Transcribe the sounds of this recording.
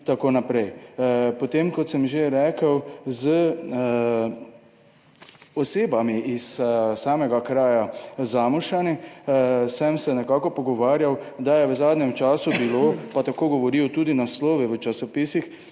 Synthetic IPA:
t̪akoːnapɾɛjpɔt̪eːmkɔt̪səmʒeɾɛːkəwzə | ɔseːbamiissaːmɛɡakɾaːjazaːmuʃani | səmsɛnɛkaːkɔpɔɡɔʋaːɾjawd̪ajɛʋəzaːd̪nɛmt͡ʃaːsubilopat̪akoːɡɔʋɔɾiwt̪uːd̪inaslɔːʋɛʋət͡ʃasɔpisix

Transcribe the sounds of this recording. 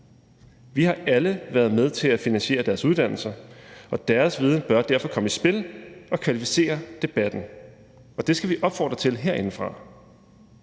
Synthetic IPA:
ʋihɑ̈ʔæləʋæɐð̞ˠmeð̞ˠt͡sʰe̝læfinænɕe̝̰ːɐd̥æɐsuðˠd̥æn̰l̩sɐɒ̽d̥æɐsʋið̞ˠn̩b̥ɶɐd̥æɐ̰fɒ̽kʰɒ̽məisb̥e̝lɒ̽kʰʋælifi̥se̝̰ːɐd̥e̝b̥æd̥n̩ | ɒ̽d̥e̝sɡ̥æʋiʔɒ̽b̥fɒ̰ːd̥ʁɐt͡sʰe̝lɦeɐ̰e̝n̩fʁɑ̈

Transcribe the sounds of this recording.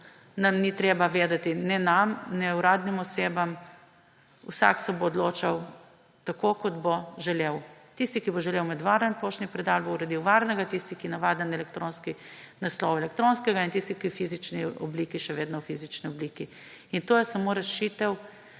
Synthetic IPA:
nɐmnit̪ɾeːbaʋeːd̪at̪inɛnamnɛuɾaːd̪nimɔseːbam | ṵsa̰ksɛboːd̪loːt͡ʃaw | t̪akokɔd̪boʒɛleːwt̪ist̪ikiboʒɛleːwmɛd̪ʋaɾənpoʃnipɾɛd̪albouɾɐd̪iwʋaɾnɛɡat̪ist̪ikinaʋaːd̪nɛnɛlɛkt̪ɾonskinɐslɔwɛlɛkt̪ɾoːnskɛɡaint̪ist̪ikiwfizit͡ʃniɔ̰bliːkiʃɛʋeːd̪nɔwfizit͡ʃniɔbliːki | int̪oːjɛsɐmoɾɛʃit̪ɛw

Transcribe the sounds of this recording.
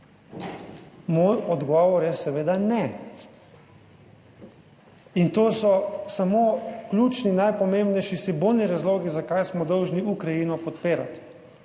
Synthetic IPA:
mɔjɔd̪ɡɔʋɔɾɛsɛʋeːd̪anɛ | int̪oːsɔsamoːklʲuːt͡ʃninajpɔmembnɛjʃisibolniɾazloːɡizakajsmɔd̪ɔwʒniʔukɾajiːnɔpɔt̪peːɾat̪

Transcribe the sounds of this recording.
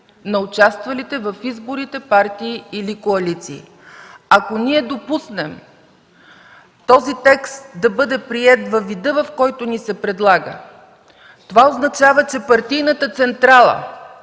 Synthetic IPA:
nɐʊt͡ʃast̪vɐlit̪ɛvɐfizbʊɾit̪ɛpaɾt̪iːilikoɐlit̪siː | ɐkoniɛd̪opusnɛm | t̪ɔzit̪ɛkst̪̚d̪ɐbɤd̪ɛpɾiɛt̪vɐvid̪ɤvɐfkɔjt̪ʊnisɛpɾɛd̪lˠaɡə̰ | t̪ovaoznɐt͡ʃavət͡ʃɛpɐɾt̪ijnət̪ət̪sɛnt̪ɾalˠə̰

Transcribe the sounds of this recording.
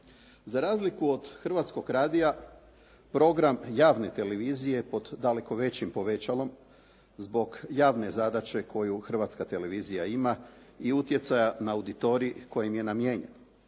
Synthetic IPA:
zaɾaːzlikuod̪̥xr̩ʋat̪sko̞ɡɾaːd̪ija | pɾo̞ɡɾamjaːʋne̞t̪e̞leʋizije̞po̞d̪ːale̞ko̞ʋe̞t͡ɕimpo̞ʋe̞t͡ɕalo̞m | zbo̞ɡjaːʋne̞zad̪at͡ɕe̞kʰo̞juxr̩ʋat̪skat̪e̞le̞ʋizijaima | iut̪je̞t̪sajanaːwd̪it̪o̞ɾiiko̞jimje̞namje̞ːɲe̞̰no

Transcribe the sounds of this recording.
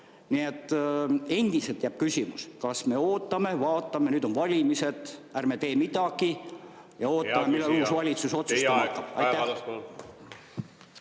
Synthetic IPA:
niet̪ːˑe̞nd̪̥iselt̪jæb̥̚kysʲimuskɑsme̞o̞ːt̪ːˑɑme̞vɑːt̪ːˑɑme̞nyːd̪̥o̞nvɑlʲimise̞t̪ærmet̪e̞ːmit̪ɑɡi | jɑo̞ːtt̪ːˑɑmemilːeluːsvɑlʲit̪suso̞t̪sust̪ɑmɑkːɑb̥ɑ̰j̪æ

